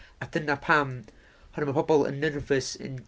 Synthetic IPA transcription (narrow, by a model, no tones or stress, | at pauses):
adənapʰam | hɔnəmapʰɔbɔlˠə̰nːərvəsɪ̰n